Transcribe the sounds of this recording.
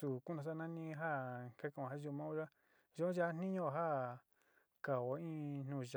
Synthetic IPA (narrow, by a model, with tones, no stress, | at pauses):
su˧˨ku˦nã˧s̬a˦nã˦nĩ˦ɦa˦ka˦ka˧˨ã˨a˦ʒu˧mã˦u˦ʒa˦ | ʒo˦õ˦ʒa˧˦a˦n̥ĩ˦ɲõ˦˧˨ɦa˦ | ka˨o˨ĩ˦n̥ũ˧˨ʒa˨